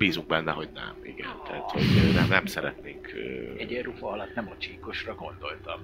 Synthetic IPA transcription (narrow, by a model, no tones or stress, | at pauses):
biːzuŋɡ̚bɛnːɛɦo̞ɟnɛ̰mḭɡɛnt̪ɛɦat̪ho̞ɟnɛnɛmsɛɾɛt̪neːŋkøɛɟɛrufɒɒlɒt̪nɛmot͡ʃiːkoʃrɒɡo̞nd̪o̞lt̪ɒm